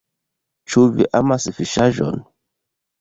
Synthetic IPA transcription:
t͡ʃuvḭʔamasifiʃaʒɔ̰n

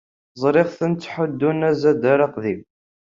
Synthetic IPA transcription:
zˤɾɪʁθənt͡s̪ːħʊd̪ːunæzæd̪aɾɑqðiw

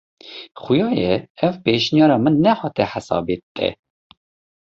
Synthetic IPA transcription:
χʊjɑːjɛɛvpeːʃnjɑːɾɑːmɨnːɛhɑːt̪ɛħasɑ̰ːbiːt̪ʼːɛ̰

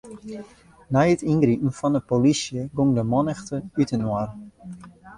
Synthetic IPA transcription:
najətinɡripn̩fɔndəpolisjəɡoŋdəmɔnəxtəytənwar

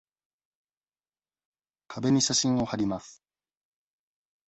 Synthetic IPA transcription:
kʰabe̞ɲ̟iɕaɕĩɰ̃o̞haɾʲimasɨ̥

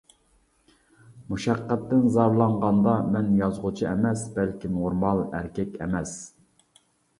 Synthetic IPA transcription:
muʃæqːæt̪ːɪnzɑɾlˠɑɴʁɑnd̪ɑmɛnjɑzʁʊt͡ʃʰiɛmɛsbælkʲʰinuɾmɑlˠæ̰ɾkʲʰɛkʲɛ̰mɛs

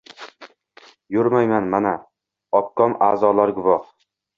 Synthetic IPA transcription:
jɵɾmajmanmana | ɒp̚kʰɒma̰ːzɒlaɾɡʊvɒχ

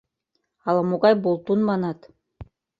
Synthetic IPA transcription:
ɑlˠɑmoɣɑjbolˠt̪unmɑnɑt̪

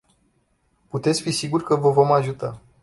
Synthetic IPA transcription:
put̪et̪sʲfisiɡurʲkəvəvo̞maʒut̪a

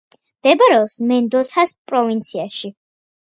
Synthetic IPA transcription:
md̪̥ɛbaɾɛɔpsmɛnd̪ɔsʰaspʼɾɔvint̪sʰiaʃi

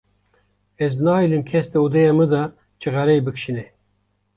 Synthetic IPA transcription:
ɛznɑːilɨmkʰɛst̪ɛud̪ɛjɑmɨd̪ɑ | t͡ʃʰɨɣæɾɛjbɨkʃinɛ

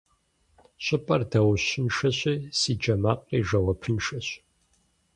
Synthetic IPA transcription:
ɕʷʼɪpʼɐrdɐwɕɪnʃɐɕiːsiːd͡ʒɐmaːqʼiːʒɐwɐpʰɨnʃɐɕ

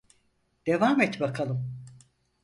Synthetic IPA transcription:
d̪̥evaːmɛt̪bakʰalˠɯm

